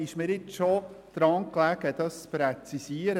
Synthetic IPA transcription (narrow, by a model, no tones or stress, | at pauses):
ɪʃməɾɪt͡sʃod̪̥ɾɑŋklæɡəd̪ɑspɾɛt͡sisiəɾ